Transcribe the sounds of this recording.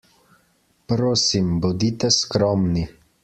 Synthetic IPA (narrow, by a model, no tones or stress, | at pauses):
pɾoːsimbɔd̪it̪ɛskɾɔːmni